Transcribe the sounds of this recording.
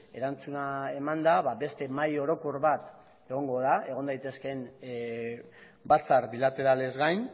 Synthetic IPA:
e̞ɾant͡sunae̞mand̪aβabe̞st̪e̞majo̞ɾo̞ko̞ɾβat̪ | e̞ɣ̞o̞ŋɡo̞ðae̞ɣ̞o̞nd̪ajt̪e̞ske̞n | bat͡saɾbilat̪e̞ɾale̞zɣajn

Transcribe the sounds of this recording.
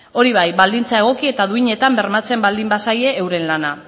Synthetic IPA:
o̞ɾiβ̞ajbald̪int͡sae̞ɣ̞o̞kie̞t̪aðuiɲe̞t̪ambe̞ɾmat͡se̞mbald̪imbasaje̞ːwɾe̞nlana

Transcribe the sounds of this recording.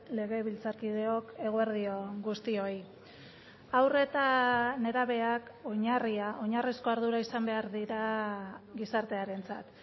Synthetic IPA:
le̞ɣ̞e̞βilt͡saɾkið̞e̞o̞ke̞ɣ̞oeɾðio̞ɡust̪io̞j | awre̞t̪ane̞ɾaβe̞ako̞ɲariaʔo̞ɲarisko̞aɾðuɾaisambe̞aɾðiɾa | ɡisaɾt̪e̞aɾe̞nt͡sa̰t̪

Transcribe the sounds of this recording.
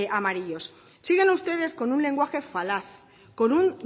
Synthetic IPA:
amaɾiʎo̞s | siɣe̞nust̪e̞ð̞e̞sko̞nunle̞ŋɡwaxe̞falaθ | ko̞nun

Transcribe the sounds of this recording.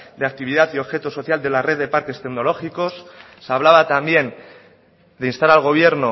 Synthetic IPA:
d̪eak̚t̪iβ̞iðat̪io̞βxe̞t̪oso̞θjald̪e̞lare̞ðe̞paɾke̞st̪e̞ɡno̞lo̞xiko̞sː | aβ̞laβat̪ambje̞n | d̪einst̪aɾalɣ̞o̞β̞je̞ɾno

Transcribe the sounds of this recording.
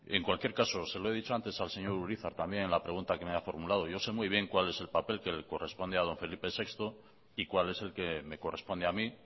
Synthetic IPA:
e̞ŋkwalkje̞ɾkaso̞se̞loe̞ðit͡ʃo̞ant̪e̞salse̞ɲo̞ɾuɾiθaɾt̪ambje̞nenlapɾe̞ɣ̞unt̪ake̞meafo̞ɾmulað̞o̞ʝo̞se̞mwujβ̞je̞ŋkwale̞se̞lpape̞lke̞leko̞re̞spond̪eað̞o̞ɱfe̞lipe̞se̞kst̪o̞ | ikwale̞se̞lke̞me̞ko̞re̞spo̞nd̪eami

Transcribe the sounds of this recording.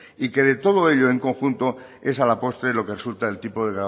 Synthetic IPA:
ike̞ð̞e̞t̪o̞ð̞oe̞ʎoeŋko̞ŋxunt̪o | e̞salapo̞st̪ɾelo̞keresult̪aelt̪ipo̞ðe̞ɣɾa

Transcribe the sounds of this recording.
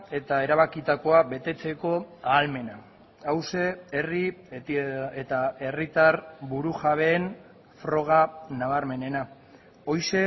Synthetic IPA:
e̞t̪ae̞ɾaβakit̪ako̞aβe̞t̪e̞t͡se̞ko̞aːlme̞naː | wse̞ːri | et̪ae̞rit̪aɾbuɾuʝaβ̞e̞ːn | fɾo̞ɣ̞anaβaɾme̞ne̞na | o̞jse̞

